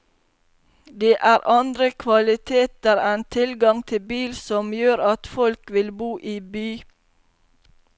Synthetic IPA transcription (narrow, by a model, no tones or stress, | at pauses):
d̪eːʔæːɾʔɑnd̪ɾəkʰʋɑlɪt̪ʰeːt̪əɾɛnt̪ʰɪlɡɑŋt̪ʰɪbiːlsɔmjøːɾɑt̪fɔlkʋɪlbuːʔiːbyː